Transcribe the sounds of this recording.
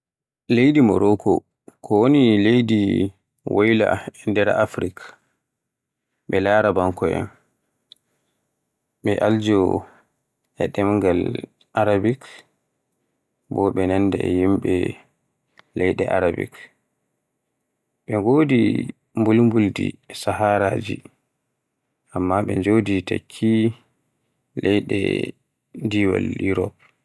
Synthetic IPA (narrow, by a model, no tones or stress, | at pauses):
lejdimɔ̰ɾɔkʰɔ | kʰɔwonilejdi | wʔojla̰ɛndɛɾaafɾik | ɓɛlaːɾabaŋkɔʔɛ̰n | ɓɛʔald͡ʒɔ | ɛ̰ɗɛmŋɡal | ʔaɾabik | bɔɓɛnandɛɛjimɓɛ̰ | lɛjɗɛʔaɾabḭk | ɓɛŋɡoːdi | mbulmbuldḭsahaɾaːd͡ʒi | ʔamːaɓɛɲd͡ʒowdita̰kʰːi | lɛjɗɛ̰ | diwa̰liɾɔp̚